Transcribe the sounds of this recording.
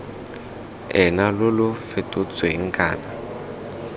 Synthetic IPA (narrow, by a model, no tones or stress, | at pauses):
ɛnalʊlʊfetʼʊt͡sʼweiŋ̩kʼa̰ːna